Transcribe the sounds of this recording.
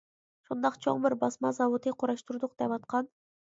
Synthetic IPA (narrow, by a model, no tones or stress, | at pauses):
ʃond̪ɑqt͡ʃʰo̞̰ɴbiɾbɑsmɑzɑwot̪ɯjquɾɑʃt̪uɾd̪uq̚d̪̥epɑt̪̚qɑn